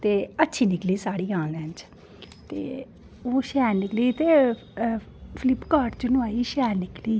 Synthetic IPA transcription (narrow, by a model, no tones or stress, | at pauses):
t̪eːətːʃʰiːnɪkliːsaːɽiːãːnnɛ̃nt͡ʃ | t̪ḛː | oːʃɛːɾnɪkliːt̪eː | pʰɪlɪpkaːɖt͡ʃʊnʊaːiːʃɛːɾnɪkliː